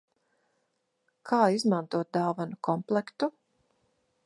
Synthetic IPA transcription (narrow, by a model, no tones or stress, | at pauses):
kʰaːizmãnt̪uɔt̪̚d̪aːvanukʰɔmplˠɛkt̪u